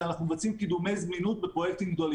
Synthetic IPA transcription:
anaχnumevat͡simkid̪ume̞jzminut̪̚bepʁo̞jek̚t̪imɡd̪o̞li

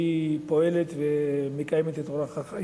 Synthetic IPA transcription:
ipo̞elet̪vemekajemet̪et̪oɾaχaχa

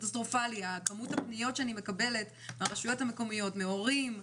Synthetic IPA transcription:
tastʁo̞faliakamuthapnijo̞tt͡ʃʃeanime̞kabe̞le̞t | maʁeʃujo̞thame̞ko̞mijo̞tme̞o̞ʁim

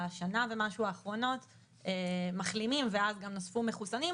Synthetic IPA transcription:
ʃanave̞maʃuaːχʁo̞no̞t | emaχlimimveazɡamnosfumeχusani

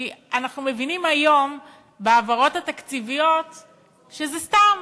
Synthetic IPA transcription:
ianaχnume̞vinimajo̞m | beavaʁo̞t̪at̪akt͡sivijo̞t̪ | ʃezestam

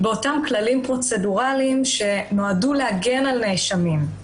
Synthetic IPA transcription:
beo̞tamklalimpʁo̞t͡se̞duʁaliimʃe̞no̞aduleaɡe̞nalnejʃamim

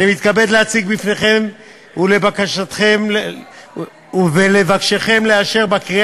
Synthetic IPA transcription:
nimit̪kabed̪lehat͡siɡbifne̞χe̞m | ule̞bakaʃat̪χeml | uvelevakʃeχe̞mle̞aʃe̞ʁbakʁi

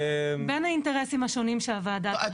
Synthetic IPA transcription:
benhainteʁesimhaʃo̞nimʃeavaːda

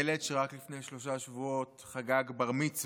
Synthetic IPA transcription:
eleʃeʁaklifne̞jʃlo̞ʃ̬aʃvuo̞tχaɡaɡbaʁmit͡s

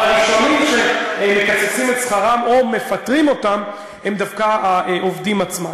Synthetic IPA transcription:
aʁiʃonimʃemekat͡sesimetsχaʁamo̞me̞fatʁimo̞tam | hemd̪afkaʔovdimat͡sma

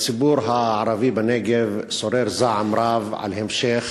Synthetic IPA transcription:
t͡sibuɾɦaʕaɾˤavibaneɡevsoɾeɾzaʕamɾavʕa̰lhemʃex

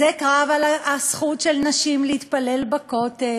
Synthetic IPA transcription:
ekʁavalaasχutʃelnaʃimleit̪palelbakote

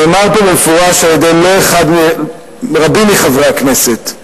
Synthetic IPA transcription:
omaʁpomefuʁaʃaljed̪ejloeχad̪me | ʁabiniχavʁakne̞set̪

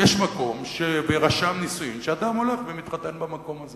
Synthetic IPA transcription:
jeʃmako̞mʃeveʁaʃamnisujimʃead̪amoleχvemit̪χat̪e̞nbamako̞maze

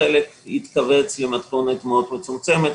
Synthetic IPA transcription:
elekit̪kave̞t͡slemat̪konet̪mot̪met͡sumt͡se̞met̪

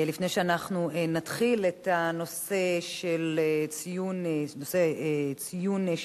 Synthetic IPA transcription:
lifnejʃeanaχnuenatχiletano̞se̞ʃelet͡sijunnoset͡sijun

